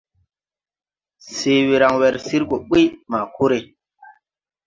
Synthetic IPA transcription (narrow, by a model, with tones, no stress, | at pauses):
se˨wi˨ɾa˨ŋwɛ˨ɾsi˦ɾko˨ɓi˦maː˨ku˦ɾe˨